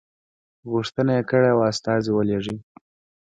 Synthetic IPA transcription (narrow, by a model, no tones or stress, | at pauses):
ɣuʂt̪ənajekəɽeawast̪ɑziwəleʐi